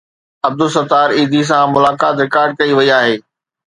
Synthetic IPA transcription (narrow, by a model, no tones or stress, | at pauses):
ɐb̚d̪ʊsɐt̪aːɾiːd̪is̬ãmʊlaːkaːt̪ɾɪkaːɾɖ̚kɐiʋɐiaːɦeː